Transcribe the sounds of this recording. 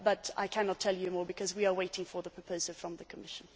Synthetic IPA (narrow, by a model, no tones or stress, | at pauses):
bʌɾa̰ɪkʰænɑtʰɛlˠjɨmɔːɹbɨkʰʌzwiə˞weɪɾɪ̃ŋfə˞ðəpʰɹ̥əpʰoʊzəl̩ˠfɹʌ̃mðɨkʰəmɪʃɨ̃n̩